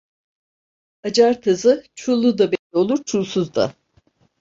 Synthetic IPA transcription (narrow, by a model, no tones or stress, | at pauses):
ad͡ʒaɾt̪ʰɯzɯt͡ʃʰulˠːud̪abenlʲio̞lˠuɾt͡ʃʰulˠsuzd̪a̰